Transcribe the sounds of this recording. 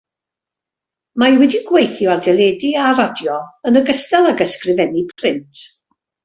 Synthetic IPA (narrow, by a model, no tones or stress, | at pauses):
majwɛdiɡwejθjɔardɛlˠɛːdiaɾɔdjɔənəɡəstalˠaɡəskrɪvɛnipʰr̥ɪntʰ